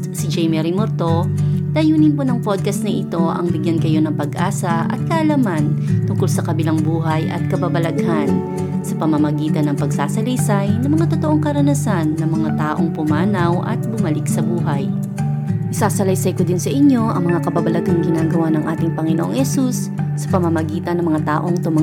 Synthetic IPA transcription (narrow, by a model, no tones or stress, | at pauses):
sɪd͡ʒɛjmɛɾimoɾt̪o̞d̪̥ɐjuːnɪnponɐŋpod̪̚kɐst̪nɐʔɪt̪o̞ʔɐ̰ŋbɪɡjankɐjo̞nɐŋpɐɡʔaːsɐʔɐ̰t̪̚kɐʔɐlamant̪ʊŋkolsɐkɐbɪlaŋbuːɦɐjʔɐ̰t̪̚kɐbabɐlɐɡhan | sɐpɐmɐmɐɡiːt̪ɐnːɐŋpɐɡsaːsɐlɐjsajnɐmɐŋat̪o̞t̪o̞ʔo̞ŋkɐɾɐnɐsanːɐŋmɐŋat̪aːʔo̞ŋpʊmaːnɐwʔɐ̰t̪̚bʊmɐlɪk̚sɐbuːɦɐj | ʔɪsaːsɐlɐjsɐjko̞d̪ɪnsɐʔɪɲːo̞ʔɐŋmɐŋakɐbabɐlɐɡaŋɡɪnaːɡɐwanɐŋʔaːt̪ɪŋpɐŋɪnoʔoŋhɛsusː | ɐpɐmɐmɐɡiːt̪ɐnɐŋmɐŋat̪a̰ːʔo̞ŋt̪ʊma